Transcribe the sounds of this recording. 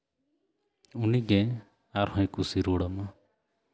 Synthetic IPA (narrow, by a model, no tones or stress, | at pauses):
uniɡɛ̃ | aɾhɔ̃j̃kusiɾuɽɔma